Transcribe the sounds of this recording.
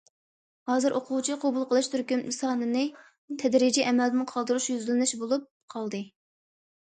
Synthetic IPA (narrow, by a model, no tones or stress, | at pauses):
hɑːzɨɾʔoqʰʊwt͡ʃʰiqʰobulˠqʰəlˠɨʃt̪ʰyɾkʲynmɨsɑːnɨnɨ | t̪ʰɛd̪ɾid͡ʒiʔɛmɛld̪ɪnqʰɑlˠd̪ɨɾuʃjyzɪlɪnɪʃbolˠup̚qʰɑlˠd̪ɨ